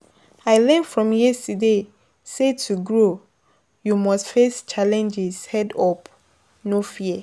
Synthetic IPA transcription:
aɪlɛ̃nfɹɔ̃mjɛstude | setʰuɡɹo | jumɔstfest͡ʃalɛ̃nd͡ʒɛshɛdɔp | nofiə

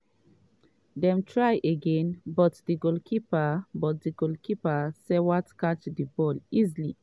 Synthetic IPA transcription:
dɛ̃mtʰɹajʔeɡɛ̃nbɔtdiɡolkʰipabɔt̚diɡolkʰipasɛwatkat͡ʃdibɔlizili

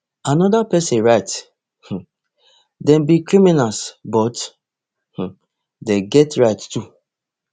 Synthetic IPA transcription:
anɔdapɛsɛ̃nɹaɪt | h̩ | dɛ̃mbikɾiminalsbɔt | h̩ | deɡɛtɹaɪtːu

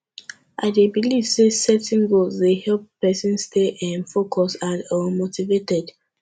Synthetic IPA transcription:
ʔa̰ɪdebiliv̥sesɛtĩnɡolzdehɛlppɛsĩnsteʔãnfokʰɔsãnɔ̃motivetɛd

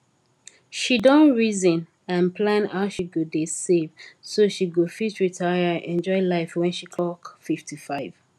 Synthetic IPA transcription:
ʃidɔ̃nɹizə̃n | ãnpʰlãnhaʊʃiɡudesevsoʃiɡufit͡ʃɹitʰaɪəɛ̃nd͡ʒɔɪlaɪfwɛ̃nʃikʰlɔkfiftʰifaɪv̥

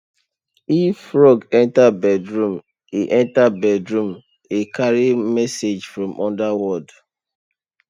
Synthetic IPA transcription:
ifːɹɔɡɛ̃ntabɛdɹũm | iʔɛ̃ntabɛdɹũm | ekaɹimɛsed͡ʒfɹɔ̃mʔɔ̃ndawɔd

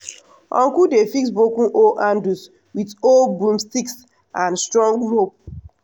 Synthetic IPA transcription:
ɔ̰̃ŋkudefiksbokũnʔoʔãndus | witolbũmstiks | ãnstɹɔ̃ŋɡɹop̚

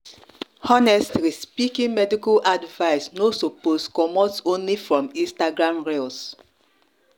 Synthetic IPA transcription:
ɔnɛstlispikĩŋmɛdikalʔadvaɪsnosoposkɔmɔtsõnlifɹɔ̃mĩstaɡɹãmɹels

